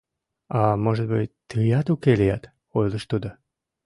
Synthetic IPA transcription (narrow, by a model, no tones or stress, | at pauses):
ɑmoʒət̪̚bɨt̚ʲt̪ɨjɑt̪ukelijɑt̪ | ojləʃt̪ud̪o